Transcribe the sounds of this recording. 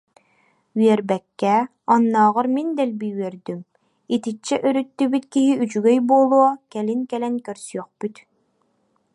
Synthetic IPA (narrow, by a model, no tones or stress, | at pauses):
yɛɾbɛkːɛ | ɑnːɑːʁɯɾmind̪ɛlbijyɛɾd̪ym | it̪it͡ʃt͡ɕːɛʔœɾyt̪ːybyt̪kiɦiyt͡ʃyɡœjbuːlˠuɔkɛlinkɛlɛŋkœɾsyœχpyt̪